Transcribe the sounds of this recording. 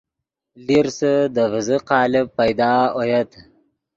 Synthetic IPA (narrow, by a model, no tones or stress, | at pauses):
liɾsəd̪əvəzəqɑːlɪpajd̪ɑːojɐt̪